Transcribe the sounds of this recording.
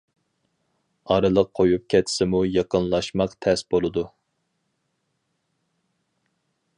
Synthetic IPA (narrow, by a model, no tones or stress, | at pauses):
ɑɾɨlˠəqʰːojup̚kʲʰɛt̪ʰːɪ̥sɪmujɑqənlˠɑʃmɑqt̪ʰɛsbolˠɨd̪u